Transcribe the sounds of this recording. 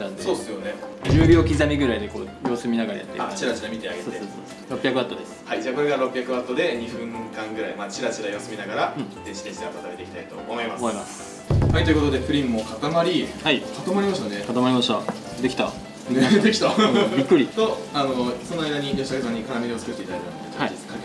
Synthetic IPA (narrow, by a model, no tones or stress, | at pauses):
d̪ãnd̪esoːd̪esɨjoned͡ʑɨːbʲjo̞ːkʲizamʲiɡɯ̟ɾaid̪e̞ko̞ːjo̞ːsɨmʲinaɡaɾa̰ja̰t̪ːḛat͡ɕiɾat͡ɕiɾamʲit̪e̞aɡesoesoːso | ɾo̞pːʲjakɯ̟βat̪ːo̞d̪e̞sɨ̥haid͡ʑaːko̞ɾe̞ɡaɾo̞pːʲjakɯ̟βat̪ːo̞d̪e̞ɲ̟iɸɯ̟̃ŋkãŋɡɯ̟ɾaimaːt͡ɕiɾat͡ɕiɾajoːsɨmʲinaɡaɾãzeɕi̥t̪eɕit̪eok̪at̪abɾee̞ikʲit̪ait̪o̞omo̞imasomoimasɨ̥ | hait̪o̞jɯ̟ko̞t̪o̞d̪e̞ɸɯ̟ɾʲĩmːo̞kat̪amaɾʲihaikat̪amaɾʲimaɕ̬i̥t̪ane̞kat̪amaɾʲimaɕt̪a | d̪e̞kʲi̥t̪a | ned̪e̞kʲi̥abʲikːɯ̟ɾʲit̪o̞ano̞so̞noajd̪aɲ̟ijo̞ɕi̥akesãɲ̟ːikaɾamʲiɾiot͡sɨ̥kɯ̟t̪ːeit̪ad̪aket̪at̪eɯk̪aaiid̪e̥ka